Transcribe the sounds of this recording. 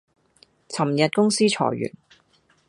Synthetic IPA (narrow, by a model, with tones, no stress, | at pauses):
t͡sʰɐ˨˩mjɐ˨t̚kʊ˥ŋsiː˥t͡ʃʰɔ̰ː˨˩jɥy̰ː˨˩n